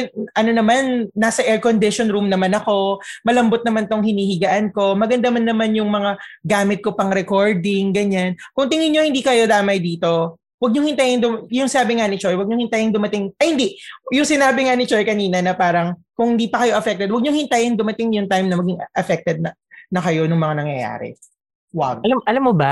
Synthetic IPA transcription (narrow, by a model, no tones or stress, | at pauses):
ʔɐno̞nɐmanːaːsɐʔɛɹkond̪ɪʃonɾumnɐmanɐko̞mɐlɐmbot̪̚nɐmant̪oŋhɪniːhɪɡaʔɐnko̞mɐɡɐnd̪ɐmɐnːɐmanjʊŋmɐŋaɡaːmɪt̪̚ko̞pɐŋɾɛkoɹd̪ɪŋɡɐɲankʊŋt̪ɪŋɪnɲohɪnd̪iːkɐjo̞d̪aːmɐjd̪iːt̪o̞ | wɐɡ̚ɲʊŋhɪnt̪ajɪŋd̪ʊmjʊŋsɪnaːbɪŋanɪt͡ʃojwɐɡɲoŋhɪnt̪ajɪŋd̪ʊmɐt̪ɪŋɐhɪnd̪ijʊŋsɪnaːbɪŋanɪt͡ʃojkɐniːnɐnɐpaːɾɐŋkʊŋhɪnd̪iːpɐkɐjo̞ʔɐfɛk̚t̪ɛd̪wɐɡ̚ɲoŋhɪnt̪ajɐŋd̪ʊmɐt̪ɪŋjʊŋt̪ajmnɐmɐɡɪŋʔɐfɛk̚t̪ɛd̪̚nɐ | nɐkɐjo̞nʊŋmɐŋanɐŋjɐja̰ːɾɛ̰ | waɡ̚ɐlamːoba